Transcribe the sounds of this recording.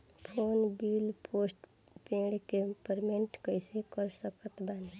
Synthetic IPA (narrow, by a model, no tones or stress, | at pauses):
pʰonbilpʰosʈ | pẽɽkepəɾmeɳʈkəɪsekəɾsəkət̪ban